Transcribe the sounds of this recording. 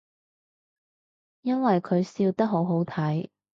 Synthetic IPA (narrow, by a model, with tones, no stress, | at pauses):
jɐ˥nwɐ˨jkʰɵ˨˧ɥsiː˧wt̪ɐ˥k̚ɦo˨˥wɦo˨˥wt̪ʰɐ˨˥j